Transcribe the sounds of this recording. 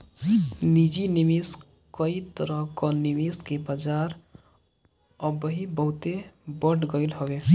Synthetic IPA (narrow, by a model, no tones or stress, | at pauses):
nid͡ʒinimis | kəit̪əɾəɦkɔnimiskebad͡ʒaːɾ | əbəɦibəɦʊt̪ebəʈʰɡəɪlɦoe